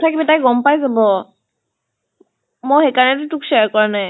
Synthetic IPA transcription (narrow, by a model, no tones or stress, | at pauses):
t̪ʰakbet̪ajɡɔmpajd̪ebɔ | moɦekanet̪uʈukʃekɔɾna